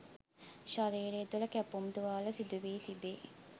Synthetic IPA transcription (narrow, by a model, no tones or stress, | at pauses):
ʃɐɾiːɾeːd̪ulɐkæpumd̪uʋaːlɐsid̪uʋiːt̪ibeː